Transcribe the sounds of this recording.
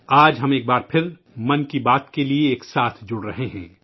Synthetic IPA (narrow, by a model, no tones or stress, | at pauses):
aːd͡ʒɦɐmeːk̚baːɾpʰɪɾ | mɐnkibaːt̪kelieːksaːt̪ʰd͡ʒʊɽɾɐɦeɦɛ̰̃ː